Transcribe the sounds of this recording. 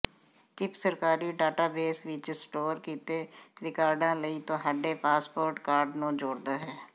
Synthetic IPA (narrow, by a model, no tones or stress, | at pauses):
t͡ʃɪpsəɾkaːɾiːɖaːʈaːbeːsʋɪt͡ʃsʈoːɾkiːt̪eːɾɪkaːɾɖãːləiːt̪õːɦəɖeːpaːspoːɾʈkaːɾɖnũːd͡ʒoːɽd̪aːɦɛː